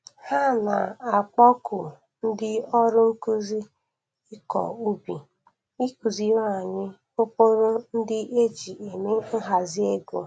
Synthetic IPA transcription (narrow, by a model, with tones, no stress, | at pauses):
ha˦na̰˨a˨k͡pɔ˦kʊ˨ | n̩˦dɪ˦ɔ˦ɾʊ˦ŋ̩˦ku˦zi˦ | ɪ˦kɔ̰˨u˦bi˨ | i˦ku˨zi˦wa˦˨ɲɪ˦ | po˦po˦ɾo˦n̩˦dɪ˦ʔe˦d͡ʒi˨e˨me˦ŋ̩˦ɦa˨zi˦e˦ɡo̰˨